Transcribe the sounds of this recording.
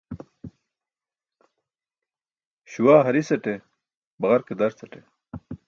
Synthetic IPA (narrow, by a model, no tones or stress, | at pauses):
ɕuwaːɦɐɾisɐʈe | bɐɣɐɾked̪ɐɾt͡sɐʈe